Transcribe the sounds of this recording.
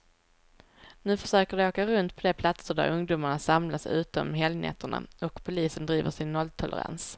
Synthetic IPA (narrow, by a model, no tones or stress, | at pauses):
nʉ̟ːfœʂøːkəɖɛoːkaɾɵnt̪pʰɔd̪ɛpʰlat̪səɖæ̰ɾɵŋd̪uːmaɳasamlasʉ̟ːt̪ɔ̰mɦɛlnʔɛ̰t̪ːəɳa̰ɔkpʰʊliːsənd̪ɾiːvəʂɪnːɔlt̪ʰɔlʔə̰ɾa̰ns